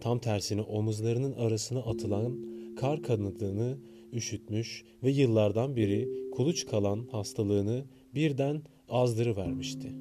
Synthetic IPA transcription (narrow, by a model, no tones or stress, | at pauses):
t̪ʰamt̪ʰæɾsiniʔo̞muzlˠaɾɯnɯnʔaɾasɯnaʔat̪ʰɯlˠankʰaɾkʰanɯd̪ɯːnɯ | yʃyt̪myʃ | vɛjɯlˠːaɾd̪anbiɾikʰulˠut͡ʃkʰalˠanhast̪ʰalˠɯːnɯ | biɾd̪æn | azd̪ɯɾɯvæɾmiʃt̪ʰɪ